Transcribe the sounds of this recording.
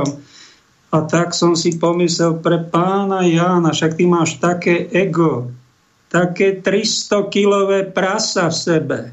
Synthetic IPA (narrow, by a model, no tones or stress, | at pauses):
m | at̪aksɔmsipɔmislɛlpɾɛpaːnajaːnaʃak̚t̪imaːʃt̪akɛːʔɛɡɔ | t̪akɛːt̪ɾist̪ɔkilɔʋɛːpɾasafsɛbɛ